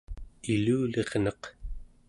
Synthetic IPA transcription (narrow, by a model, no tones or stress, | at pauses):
iluːle̞ʁnʌq